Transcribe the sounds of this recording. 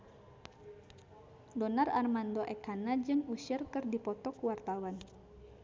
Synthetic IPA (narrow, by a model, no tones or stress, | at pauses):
dɔnararmandɔʔɛkanad͡ʒɨŋuʃɪrkɨrdipɔt̪ɔkuwart̪awan